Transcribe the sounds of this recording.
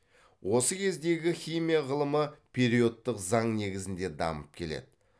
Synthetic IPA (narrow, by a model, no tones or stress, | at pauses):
wʔo̞səkʲʰe̞zd̪e̞ɡʲɪχʲijmʲijaʁəlˠəməpʲʰe̞ɾijo̞t̪ːəqzɑɴne̞ɡʲɪzɪnd̪e̞d̪ɑ̰məp̚kʲʰe̞le̞̰d̪ɪ